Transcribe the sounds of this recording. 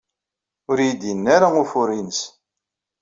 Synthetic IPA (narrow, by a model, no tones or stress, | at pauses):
ʊɾjid̪inːaɾaʊfʊɾinəs